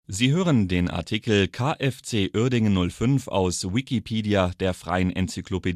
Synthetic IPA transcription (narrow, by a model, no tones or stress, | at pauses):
ziːɦøːʁəndeːnʔa̰ɐtʰikl̩kʰaːʔɛft͡seːʔʏɐdɪŋənːʊlfʏnfa̰ʊswikipʰiːdiad̥eːɐfʁ̥a̰ɪənʔɛ̰nt͡sykʰloped